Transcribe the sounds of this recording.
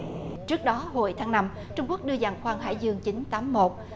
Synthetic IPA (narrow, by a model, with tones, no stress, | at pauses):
t͡ɕɨ˦˥ək̚ɗɔ˨˦ɦo̰˧˩jt̪ʰaː˨˦ŋna˧m | t͡ɕʊ˧ŋ͡mku˦˥k̚ɗɨ˧əza˨˩ŋxwaː˧ŋɦa̰ː˧˩jzɨ˧əŋt͡ɕi˨˦nt̪aː˨˦mːo˨˩t̚